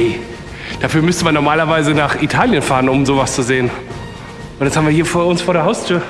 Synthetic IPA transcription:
d̥afyːɐmʏstəmanːɔɐmaːlɐvaɪzənaːχʔitʰaːljənfaːʁənʊmzoːvast͡suzeːən | ʔʊntdashaːmviːɐɦiːɐfoːɐʊnsfoːɐɾeːɐɦaʊstʰyːɐ

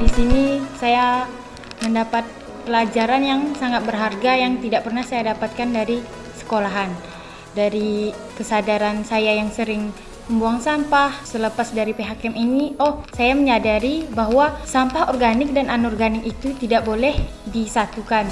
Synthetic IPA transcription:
disinisaja | məndapat̪̚ | pəlad͡ʒaɾanjaŋsaŋat̪̚bərɦarɡajaŋt̪idaʔpərnahsajadapat̪̚kandaɾi | sə̥kolaɦan | daɾi | kəsadaɾansajajaŋsəɾɪŋ | məmbuaŋsampahsələpasdaɾipeɦakɛminiʔɔhsajaməɲadaɾibaɦwasampahɔrɡanɪk̚dananɔrɡanɪk̚it̪ut̪idaʔ̚bolɛh | disat̪ukan

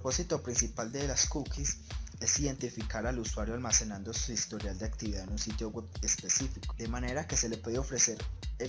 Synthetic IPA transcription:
ɾopo̞sit̪o̞pɾinsipald̪e̞laskukise̞siðe̞nt̪ifikaɾaluswaɾjo̞almase̞nãnd̪o̞suist̪o̞ɾjald̪eakt̪iβiðaðenunsit̪jo̞webespe̞sifikod̪e̞mane̞ɾake̞se̞le̞pwe̞ðeo̞fɾe̞se̞ɾ

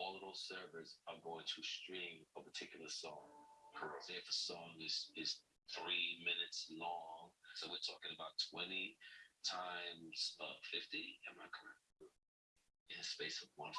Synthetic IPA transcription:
ɔlˠəvðoʊz̥sɜ˞və˞zãɪ̃mɡoʊɪ̃ŋtʰɨstɹ̥ĩməpʰə˞tʰɪkjl̩ˠə˞sɔ̃ŋkʰə˞ɨfəsɔ̃ŋɪz̥ɪz̥ | θɹimɪ̃nɨtslɔ̃ŋsoʊwɨtʰɔkɪ̃ŋɨbaʊtʰw̥ɛ̃nitʰãɪ̃mz̥ʌfɪftiɨ̃nmaɪkʰə˞ɛ̃ | ɨ̃nɨspeɪsʌvwʌ̃n

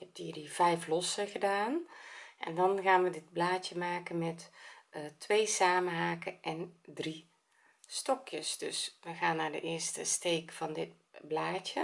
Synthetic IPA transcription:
ɛp̚tiːdivɛjflɔsəɣədaːnʔɛ̰ndɔnɣaːnʋədɪd̚blaːtjəmaːkənmɛt | tʰʋeːsaːmənɦaːkəʔɛndri | stɔkʰjəsdøsʋəɣaːnːaːdə̰ʔɪərstəsteːkfɔndɪt̚ | blaːtjə

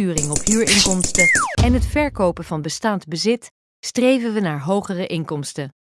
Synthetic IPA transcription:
yːrɪŋɔpɦyːɹɪŋkɔmstəɛnɦətfɛɹkowpənvɑnbəstaːndbəzɪt | strejvənʋənaːɹɦowχərəʔɪŋkɔmstə

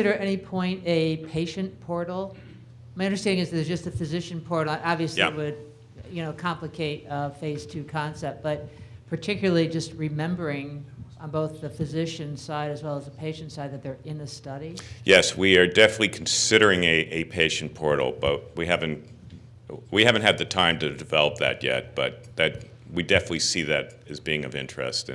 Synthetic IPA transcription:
ɪɾə˞ɨɾɛnipʰɔ̃ɪ̃ntɨpʰeɪʃɨ̃npʰɔɹɾl̩ˠ | maɪʌ̃ndə˞stæ̃ndɪ̃ŋɨzðɨtzd͡ʒʌstɨfɨzɪʃɨ̃n̩pʰɔɹɾl̩ˠə̃ɾɑbviɨsiwɨd̚ | jɨñoʊkʰɑ̃mplɨkʰeɪt̚ʌfeɪz̥tʰʉkʰɑ̃nsɛp̚t̚b̥ʌt̚pʰə˞tʰɪkjl̩ˠə˞lˠid͡ʒʌst̚ɹɨmɛ̃mbə˞ɪ̃ŋə̃nboʊθðɨfɨzɪʃɨ̃nsaɪɾɨzwɛlˠəzəpʰeɪʃɨ̃ntsaɪd̪̚ðɨt̪̚ðə˞ɪ̃nɨstʌɾijɛswiə˞dɛfənətˡlikʰn̩sɪɾə˞ɪ̃ŋɨʔɨpʰeɪʃn̩pʰɔɹɾl̩ˠb̥ʌ̰t̚wiɦævɨ̃nt | wihævɨ̃n̩t̚ɨd̪̚ðɨtʰãɪ̃mtɨdɨvɛlˠəp̚ðɨ̰t̚jɛ̰t̚b̥ʌ̰t̪̚ðɨt̚ | widɛfənɨtˡlisiðɨɾ | ɨzbiɪ̃ŋʌ̰vɪ̰̃nt͡ʃɹ̥ɨ̰stɨ̰̃

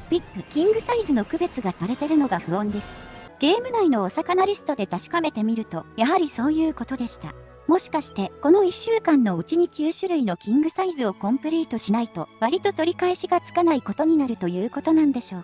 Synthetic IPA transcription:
pʲikːɯ̟kʲĩŋɡɯ̟saizɨno̞kɯ̟be̞t͡sɨɡasaɾe̞t̪e̞ɾɯ̟no̞ɡaɸɯ̟õ̞nd̪e̞sɨ̥ɡ̥e̞ːmɯ̟naino̞ːsakanaɾʲisɨ̥t̪o̞d̪e̞t̪aɕi̥kame̞t̪e̞mʲiɾɯ̟t̪o̞jaɦaɾʲiso̞ːjɯ̟ːko̞t̪o̞d̪e̞ɕi̥t̪a̰ | mo̞ɕi̥kaɕi̥t̪e̞ko̞no̞iɕːɨːkãnːo̞ɯ̟t͡ɕiɲ̟ikʲɨːɕɨɾɯ̟ino̞kʲĩŋɡɯ̟saizɨo̞kõ̞mpɯ̟ɾʲiːt̪o̞ɕinait̪o̞βaɾʲit̪o̞t̪o̞ɾʲikae̞ɕiɡat͡sɨ̥kanaiko̞t̪o̞ɲ̟inaɾɯ̟t̪o̞jɯ̟ːko̞t̪o̞nãnd̪e̞ɕo̞ː

